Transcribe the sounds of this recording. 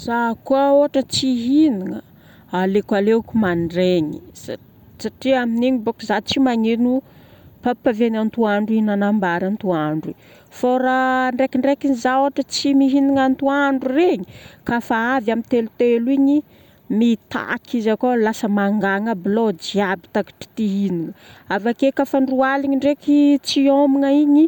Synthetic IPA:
z̥akuaoɦaʈ͡ʂət͡siɦiniŋə | alekalekumanɖ͡ʐeɲia | saʈ͡ʂiaminiɲibukuzat͡simaɲenupapavenant̪uaɳɖ͡ʐuinanambaɾant̪uaɳɖ͡ʐi | faɾaɳɖ͡ʐekiɳɖ͡ʐekinizaoaʈ͡ʂət͡simiɦiniŋant̪uaɳɖ͡ʐureɲikafaavjamint̪elut̪eluiɲi | mit̪a̰kʰizakolasəmaŋɡaŋəblod͡ʒiabi̥t̪aki̥ʈ͡ʂi̥t̪iɦiniŋəavakekafaɳɖ͡ʐualiɲiɳɖ͡ʐekit͡siomiŋəiɲi

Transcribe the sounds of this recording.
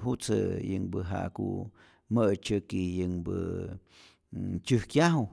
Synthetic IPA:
ɦut͡səjəŋbəɦa̰ʔkṵ | məʔt͡ʃəkijəŋbə | t͡ʃɨhkjaɦu

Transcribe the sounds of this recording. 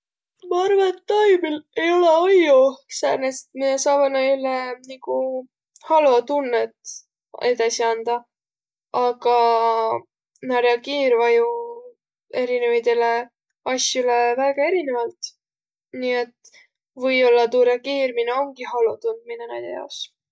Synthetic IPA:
mɑɑrvɑet̪ːɑjmile̞jo̞leojosærnest̪miesɑːveneylːeniku | hɑlot̪unːet̪ | e̞d̪ɑsiɑnd̪̥ɑ | ɑɡ̥ɑ | nɑɾjɑkiːɾvɑju | e̞ɾinevɑjt̪ele | ɑsʲjulevæːɡ̥ɑe̞ɾine̞vɑlt̪ | niːe̞t̪ | vɤjo̞lːɑt̪uːɾɑkiːrmineo̞ŋɡihɑlot̪und̪̥̚minenæ̰jd̪̥ḛjɑ̰os

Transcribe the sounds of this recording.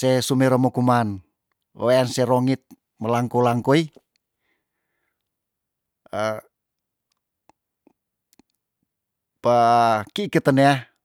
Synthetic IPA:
sesumeɾomokuman | ə̰weanseɾoŋit̪̚ | məlaŋkolaŋkoi | pakiːkət̪ənea

